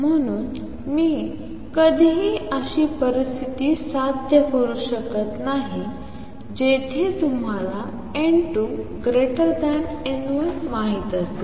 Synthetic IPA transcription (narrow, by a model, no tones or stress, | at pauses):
m̤əɽ̃uːn | miː | kəd̪ʱiɦiːəɕiːpəɾist̪ʰit̪iːsad̪ʱjəkoɾuɕəkət̪naɦi | d͡ʑet̪ʰet̪um̤ala | eɳʈuɡɾeʈəɾd̪anenuəmaɦit̪əst̪e